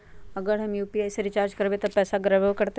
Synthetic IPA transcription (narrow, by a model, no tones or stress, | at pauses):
əɡəɽɦəmjuːpiajsɾit͡ʃaɾd͡ʒkəɾbet̪əpɛːsaɡɾəʋəʋkəɾt̪e